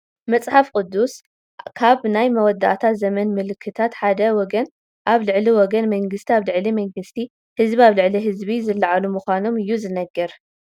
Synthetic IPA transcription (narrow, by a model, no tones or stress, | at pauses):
mɐt͡sʼħafkʼʊd̪ːus | kʰaβnajmɐwɔd̪ːa̰ʔt̪ʰat̪zɐmɐnmɨlɨkʰːɨt̪ʰat̪ħad̪ɐwɔɡɐn | ʔaβlɨʕliwɔɡɐnmɐŋɡɨst̪ʰiaβlɨʕlimɐŋɡɨst̪ʰi | hɨzbiaβlɨʕliɦɨzβizɨlːaʕalumuxʷano̞mɨjːuzɨnɐɡːɐɾ